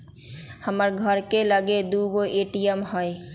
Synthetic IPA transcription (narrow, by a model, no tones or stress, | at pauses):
həməɾɡʱəɾkeləɡed̪uːɡoʔeːʈijəmɦoe